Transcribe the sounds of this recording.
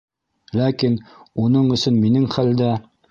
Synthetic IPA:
lækinunɤɴɵ̆sɵnminɘŋχæld̪æ

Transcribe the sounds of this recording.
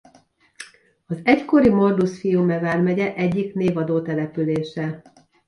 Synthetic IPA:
ɒzɛcko̞ɾimo̞rd̪usfijuːmɛvaːrmɛɟɛʔɛɟːikneːvɒd̪oːt̪ɛlɛpyleːʃɛ

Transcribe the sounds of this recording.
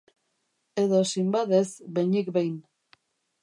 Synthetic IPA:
e̞ðo̞simbaðe̞zbe̞jɲikbejn

